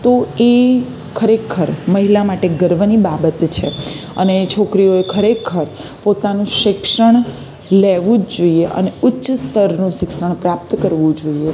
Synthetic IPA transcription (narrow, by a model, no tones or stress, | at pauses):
t̪oe | kʰəɾekʰəɾməɦilamaʈeɡəɾʋnibabət̪t͡ʃʰeə̰net͡ʃʰokɾioekʰəɾekʰəɾ | pot̪anũʃɪkʂəɳ̃ | leʋũd͡ʒd͡ʒoieʔə̰neʊtːʃst̪ʰəɾnũʃɪkʃəɳ̃pɾap̚t̪kəɾʋũd͡ʒoie